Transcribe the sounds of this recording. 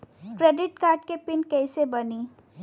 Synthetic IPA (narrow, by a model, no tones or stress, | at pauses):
kɾeːɖɪʈ̚kaːɾɖkepɪnkɛːsebɐniː